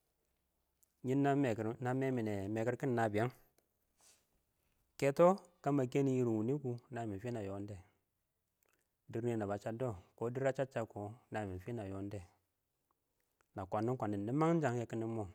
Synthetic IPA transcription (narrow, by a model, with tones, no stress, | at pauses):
ɲi˦nːa˦˨na˨me˦mi˨ne˨me˨ki˦ɾki˦n˨na˨bi˨ja˦ŋ | ke˦to˦ka˦ma˨ke˦ni˨˦ji˦ɾi˨wu˨ni˦ku˨na˨mi˨fi˦na˨jo˨˦nde˦˨ | di˦ɾne˨na˨ba˨t͡ʃa˦do˦˨ko˦di˦ɾa˦t͡ʃa˦t͡ʃa˨ko˨na˨mi˨fi˦na˨jo˦n˦de˦˨ | na˨kʷa˨nːi˦kʷa˨ni˨n˨di˦ma˦ŋ˦n˦d͡ʒa˨ŋ˦je˦ki˦ni˦mo˦˨